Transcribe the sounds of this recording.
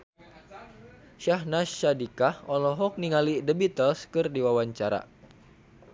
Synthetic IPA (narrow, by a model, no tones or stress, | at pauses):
ʃahnasadikahɔlɔɦɔk̚niŋalidəbit̪əlskɨrdiwawaɲt͡ʃaɾa̰